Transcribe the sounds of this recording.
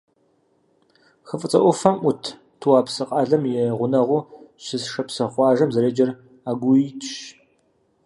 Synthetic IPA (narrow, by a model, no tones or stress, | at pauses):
xəfʼɨt͡sʼɐʔʷɔfɐmʔʷʊtʰ | tʰuwaːpsɨqʼɑːɮɐmjɛʁʷʊnɐʁʷʊɕɨsʂɐpsɐχʷɑːʒɐmzɐɾeːd͡ʒɐr | aːɡʷʊitʰɕ